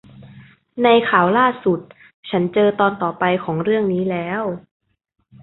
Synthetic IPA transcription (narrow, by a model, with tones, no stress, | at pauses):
na˧jkʰaː˨˩wlaː˥˩su˨˩t̪̚ | t͡ɕʰa˦˥nt͡ɕɤː˧t̪ɔː˧nt̪ɔː˨˩pa˧jkʰɔː˩˦ŋɾɯ˥˩əŋniː˦˥lɛː˦˥w